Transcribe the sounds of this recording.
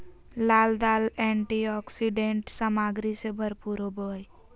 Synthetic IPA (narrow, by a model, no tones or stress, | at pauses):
laːld̪aːlɛ̃ːɳʈiɔːksiɖẽːɳʈsəmaːɡɾisebʱəɾpuːɾobəːi